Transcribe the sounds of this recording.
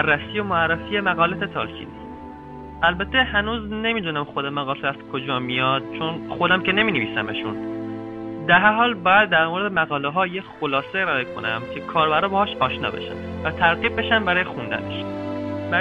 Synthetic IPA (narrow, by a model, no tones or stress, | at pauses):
ærːæsiːjomoærːæfiːemæɣɒːlæt̪et̪ʰɒ̰ːlcʰḭːnis | ʔælbæt̪ʰːe̞hænuːzne̞miːd̪uːnæmxo̞d̪emæɣɒlæz̥kʰod͡ʒɒːmijɒd̪̥̚t͡ʃʰonxod̪æmcʰe̞ne̞miːneviːsæmeʃun | d̪æɾɦæɾɦɒːlbɒːjæd̪̚ːæɾmoɾed̪emæɣɒːleɦɒːjexolɒːseiɾɒekʰo̞̰næmcʲʰe̞kʰɒːɾbæɾɒːbehɒːʃɒːʃnɒ̰ːbe̞̰ʃæ̰m | væt̪ʰæɾɣiːb̚be̞ʃæmbæɾɒːjexund̪æ̰nḛʃbæ